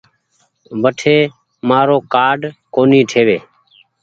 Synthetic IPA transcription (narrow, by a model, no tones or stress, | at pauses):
ʋəʈʰeː | maːɾoːkaːɖkoːniːʈʰeːʋeː